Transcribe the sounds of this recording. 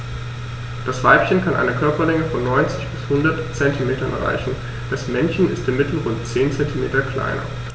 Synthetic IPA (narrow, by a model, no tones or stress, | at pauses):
d̥asv̥aɪpçənkʰanʔa̰ɪnəkʰœɐpɐlɛŋəfɔnːɔʏnt͡sɪçb̥ɪshʊndɐtt͡sɛntimeːtɐnʔɛ̰ɐʁa̰ɪçn̩ | d̥asmɛnçən̩ɪstɪmɪtl̩ʁʊnt̚t͡seːnt͡sɛntimeːtɐkʰl̥a̰ɪnɐ̰